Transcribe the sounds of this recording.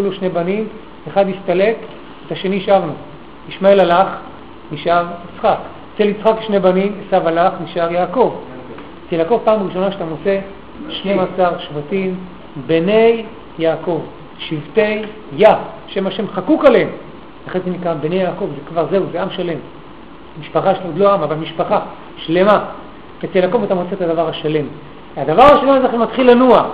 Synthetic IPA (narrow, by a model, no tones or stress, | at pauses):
iluʃne̞banim | eχad̪hist̪ale̞k | et̪aʃe̞niʃavnu | iʃmaelalaχ | niʃaʁit͡sχak | t͡selit͡sχakʃnebanimesavalaχniʃaʁjaːko̞v | t͡silako̞vpaːmʁiʃo̞naʃat̪amot͡se̞ | ʃne̞masaʁʃvatim | bene̞jː | aːko̞v | ʃivte̞jː | a | ʃemaʃe̞mχakukaleem | aχenzenikʁabene̞jaːko̞vzekvaʁze̞uzeamʃale̞m | miʃpaχajʃtodlo̞aamavalmiʃpaχa | ʃlema | et͡selako̞vatamo̞t͡setad̪avaʁhaʃale̞m | ad̪avaʁaʃalemzeχematχilːanua